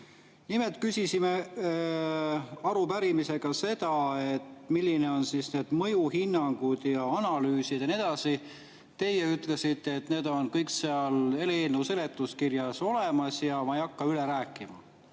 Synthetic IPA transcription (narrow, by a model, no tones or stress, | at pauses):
nimelt̪̚kysʲisime | ɑɾupæɾimise̞ɡ̥ɑse̞d̪̥ɑe̞t̪milʲːine̞o̞nsisne̞ːd̪̥mɤ̞juhinːɑŋɡ̥ud̪̥jɑɑnɑlyːsid̪̥jɑnie̞d̪̥ɑsi | t̪e̞jeyt̪ˑle̞sit̪ːˑeet̪ne̞ːd̪̥onkɤjkseɑle̞leenːuse̞le̞t̪ːˑuskirjɑso̞lemɑsjɑmɑejɑkːɑyleɾæːkːˑimɑ̰